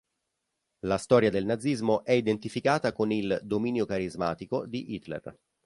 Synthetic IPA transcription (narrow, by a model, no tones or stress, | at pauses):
last̪ɔːɾjad̪elnad̪zːizmoʔɛid̪ent̪ifikaːt̪akonild̪omiːnjokaɾizma̰ːt̪ikod̪iʔit̪lḛr